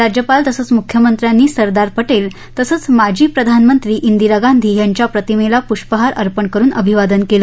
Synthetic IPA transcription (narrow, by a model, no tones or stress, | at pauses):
ɾad͡ʑjəpalt̪əsəːt͡smukʰjəmənt̪ɾjanːiːsəɾd̪aɾpəʈel | t̪əsət͡smad͡ʑʱiːpɾəd̪ʱanmənt̪ɾiːʔind̪iɾəɡand̪ʱiːɦjaɲt͡ɕjapɾət̪imelapuʂʈpəɦaɾʔəɾpəɳkəɾuːnə̰bʱiʋad̪ənkelə